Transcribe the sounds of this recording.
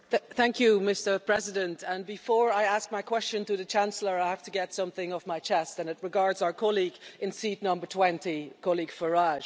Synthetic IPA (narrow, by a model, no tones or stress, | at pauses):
θæ̃ŋkʰjɨmɪstə˞pʰɹ̥ɛzɪdə̃ntə̃nbɪfɔːɹaɪask̚maɪkʰw̥ɛst͡ʃə̃ntʰəðət͡ʃʰãnsl̩ˠə˞aɪhaftəɡɛtsʌ̃mθɪ̃ŋəvmaɪt͡ʃʰɛstə̃nɪt̚ɹɪɡaɹdzaʊə˞kʰɔliɡɪ̃nsitⁿnʌ̃mbə˞tʰw̥ɛ̃ntikʰɔlˠiɡ̥fəɹaʒ̥